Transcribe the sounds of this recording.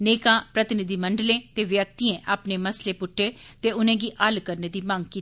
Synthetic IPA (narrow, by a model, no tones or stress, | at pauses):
neːkãːpɾət̪ɪnɪd̪iːməɳɖlẽːt̪eːʋjək̚t̪iːẽːʔaːpneːməsleːpʊʈʰːeːt̪eːʊnẽːɡiːʔəlkəɾneːd̪iːmãːŋɡkiː